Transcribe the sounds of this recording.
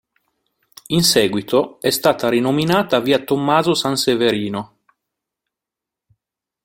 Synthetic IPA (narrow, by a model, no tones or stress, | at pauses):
insɛːɡwit̪oɛst̪aːt̪aɾinominaːt̪aviːat̪omːaːzosanseveɾiːno